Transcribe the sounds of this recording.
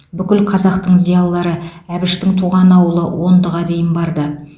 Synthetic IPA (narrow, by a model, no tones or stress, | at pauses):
bʏkʲɪlqʰɑzɑqt̪əɴzijɑlˠːɑɾəæbɪʃt̪ɪŋt̪ʰuʁɑnɑwəlˠəwo̞nd̪əʁɑd̪e̞jɪnbɑɾd̪ə